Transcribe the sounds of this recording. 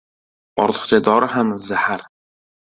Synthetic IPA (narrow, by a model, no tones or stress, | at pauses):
ɒɾt̪ʰɨ̥χt͡ʃad̪ɒɾɪhamzahaɾ